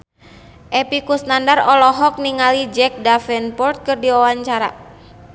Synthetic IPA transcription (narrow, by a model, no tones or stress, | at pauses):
ʔɛpikusnandarɔlɔɦɔk̚niŋalid͡ʒɛk̚dafɛnpɔrt̪̚kɨrdiwawaɲt͡ʃaɾa̰